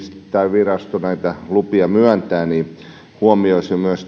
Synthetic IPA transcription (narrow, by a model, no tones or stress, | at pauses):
st̪ːˑæiʋirɑst̪unæit̪ælupiɑmyænt̪æːniː | huomioisjomyøs